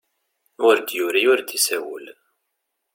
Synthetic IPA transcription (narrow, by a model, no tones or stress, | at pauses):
ʊɾd̪juɾiʊɾd̪isæwəl